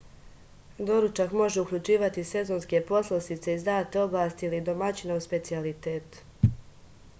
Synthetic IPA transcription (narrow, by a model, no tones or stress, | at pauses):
d̪o̞ɾut͡ʃakmo̞ʒe̞ukʎut͡ʃiːʋat̪ise̞zo̞nske̞po̞slˠosit̪se̞izd̪aːt̪eo̞blˠaːst̪iilid̪o̞mat͡ɕinauspe̞t̪sialit̪eːt̪